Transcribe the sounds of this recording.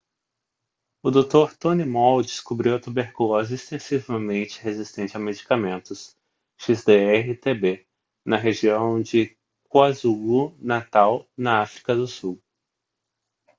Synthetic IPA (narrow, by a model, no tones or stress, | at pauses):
ʊd̪ot̪oɾt̪õnimɔwd͡ʒɪskubɾiwɐt̪ubeɾkulɔzɐist̪ẽsivɐmẽnt͡ʃɪɦezist̪ẽnt͡ʃɪɐmed͡ʒikamẽnt̪ʊs | ʃizd̪eɛɦɪt̪ebe | nɐɦeʒiɐ̃w̃d͡ʒɪ | kuazuɡunat̪awnɐafɾikɐd̪ʊsuw